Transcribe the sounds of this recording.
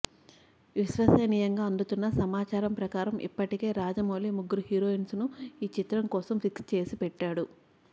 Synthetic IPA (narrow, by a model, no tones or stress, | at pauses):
ʋiʃʋɐsɐnijɐŋɡaːɐnd̪ut̪unːɐsɐmaːt͡ʃaːɾɐmpɾɐkaːɾɐmʔḭpːɐʈike̞ːɾaːd͡ʒɐmoːliːmuɡːuɾuɦiːɾoːinsnuiːt͡ʃit̪ɾɐŋkɔːsɐmfikst͡ʃe̞ːsipɛʈːaːɽu